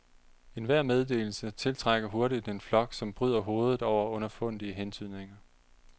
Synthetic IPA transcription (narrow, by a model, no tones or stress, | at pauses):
e̝nʋæɐ̰með̞ˠd̥e̝̰ːl̩sət͡sʰe̝lt͡sʰʁɑaɡ̥ɐɦo̝ɐɾid̥e̝nflɒ̽ɡ̥sɒ̽mb̥ʁyð̰ˠɐɦo̝ːð̞ˠð̩ˠɒʊ̰ɐɔ̽nɐfɔ̽n̰d̥iəɦent͡sʰyð̰ˠne̝ŋɐ